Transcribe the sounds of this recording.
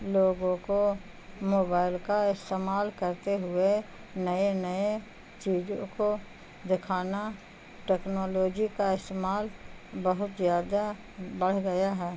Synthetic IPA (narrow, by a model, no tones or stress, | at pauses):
loːɡõko | moːbaːɪlkaɪst̪eːmaːlkəɾt̪eɦʊe | nəenəe | t͡ʃiːd͡ʒõko | d̪ɪkʰaːna | ʈɛːknoːloːd͡ʒikaɪst̪eːmaːl | bəɦʊt̪zjaːd̪a | bəɽ̤ɡɐjaɦɛː